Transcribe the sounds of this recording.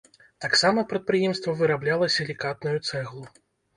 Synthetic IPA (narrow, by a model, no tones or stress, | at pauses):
t̪aksamɐpɾɐt̪̚pɾɨjɛmst̪vɐvɨɾablʲalˠɐsʲɐlʲikat̪̚nujut̪sɛɣlˠu